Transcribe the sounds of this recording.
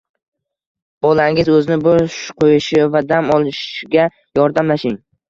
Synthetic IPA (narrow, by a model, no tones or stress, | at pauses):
b̥ɒlaŋɪzɵzɪnɪbʊʃqʰojɪʃɪvad̪amɒlˠɪʃɡʲa | jɒɾd̪amlaʃɪŋ